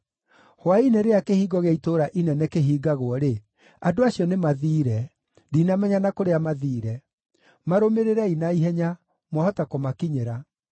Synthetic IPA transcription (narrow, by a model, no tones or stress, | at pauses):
hwaineɾeakehiːɡɔɣaitoɾaʔinɛnɛkeɦiːɡaɣwɔɾe | adoaɕjɔnemaðiːɾɛ | diːnamɛɲanakoɾeamaðiːɾɛ | maɾomeɾeɾɛinaiɦɛɲa | mwahɔtakɔmakiɲeɾa